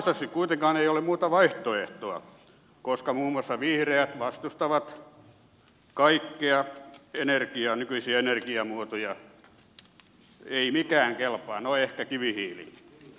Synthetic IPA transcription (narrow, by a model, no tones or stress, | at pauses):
st̪ɑsikkuit̪eŋkɑːneijolemmuːt̪ɑʋɑiht̪oeht̪oɑ | koskɑmuːmuɑsːɑʋihreæt̪ʋɑst̪ust̪ɑʋɑt̪ | kɑikːeɑenerkiɑnykyisiæenerkiɑmuot̪ojɑ | eimikæːŋkelpɑːnoehkækiʋihiːlḭ